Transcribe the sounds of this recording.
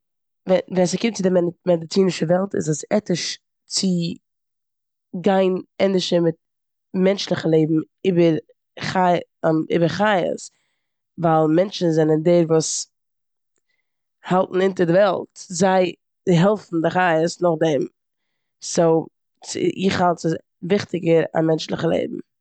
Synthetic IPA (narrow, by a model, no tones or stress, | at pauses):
vɛnvɛnsɪkɪmtt͡sɪdɪɛmɛdɪt͡siːnɪʃəvɛlˠtɪ̰zəsɛtɪʃ | t͡sɪ | ɡaɪnɛndɪʃəmɪt̚ | mɛnt͡ʃlˠɪχəlˠeɪbm̩ | ɪbəɾ | χaɪ̰bəɾχajə̰s | valˠmɛnt͡ʃn̩zɛnəndɛɾvuːs | halˠtn̩ɪntəɾdɪvɛlˠtzaɪ | ɦɛlˠfn̩dɪχaɪəsnʊχdɛm | soʊ | t͡sɪ̰ʔɪ̰χhalˠtsɪ | vɪχtɪɡəɾa̰mɛnt͡ʃlˠɪχəlˠḛɪbm̩